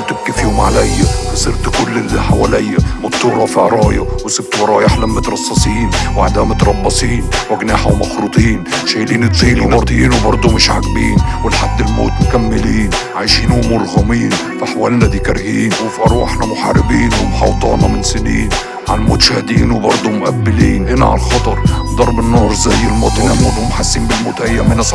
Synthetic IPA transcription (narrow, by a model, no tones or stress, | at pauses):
t̪ɪb̚kifiːhʊmʕa̰lajːafɑsˤɨɾt̪kʊlːɪlħawaːlajːamʊt̪ːuːɾˤɑfiʔɑɾˤɑːjɑwsɪb̚t̪wɑɾˤɑːjaħlamːɪt̪ɾˤɑsˤːɑsˤiːnwʔaʕd̪aːmɪt̪ɾˤɑbːɑsˤiːnwaɡnaːħawmɑxɾuːt̪ˤiːnʃajliːnɪt̪ziːnwbɑɾˤt̪ˤjiːnwɪbɑɾˤd̪ˤʊmɪʃʕa̰ɡbḭːnwɪlħad̪ːɪlmo̰ːt̪mkamːɪliːnʕajʃiːnʔʊmʊɾˤɣʊmiːn | faħwaːlnad̪ikaɾˤhiːnwɪfʔɑɾˤwa̰ħnamʊħa̰ɾɪbiːnwɪmħɑ̰wt̪ˤɑ̰ːnɑmɪnsɪniːn | ʕalmo̰ːt̪ʃahd̪iːnwɪbɑɾˤd̪ˤʊmʊʔabːɪliːnʔɪna̰ʕa̰lxɑt̪ˤɑɾˤd̪ˤɑɾˤbɪnːuːɾˤzajːɪlmoːt̪ʔɪnalmoːt̪hʊmħasːiːnbɪlmoːt̪ʔajːamɪnasˤ